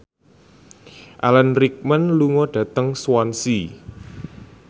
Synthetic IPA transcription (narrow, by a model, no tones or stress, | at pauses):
ʔalənrik̚mənluŋɔɖ̥a̤t̪əŋswɔnsi